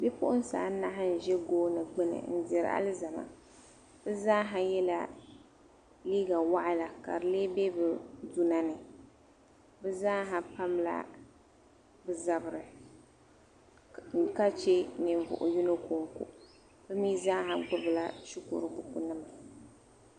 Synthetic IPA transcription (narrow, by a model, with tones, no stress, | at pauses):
be˦pʊ˦ʔʊ˦n˦saː˨˦na˦ɦɪ˦n̩˨ʒɛ˦ɡoː˦nɨ˨ɡ͡bɨ˦nɨ̰˨n̩˦˨dɪ˨ɾ̰a̰˦lɨ˦za˨ma̰˨ | b̥ɨ˦zaː˦ɦa˦jɛ˦la˦ | liː˦ɡa˨wa˦ʔa˦la˨ka̰˨ɾɨ˨leː˦be˦bɨ˨du˦na˦nɨ˨ | bɨ˦zaː˦ɦa˨pa˦mla̰˦ | bɨ˦za˨bɨ˨ɾɨ˨ | ka˦t͡ʃe˦nɨ˨ɱ˨vʊ̰˨ʔʊ̰˨ju˦no˦ko˨ŋkʊ̰˨ʔ | bɨ˦miː˦zaː˦ɦa˨ɡ͡bʊ˦bɨ˨la̰˦ʃi˦kʊ̰˨ɾɨ˦bʊ˨ku˨nɨ˦ma˨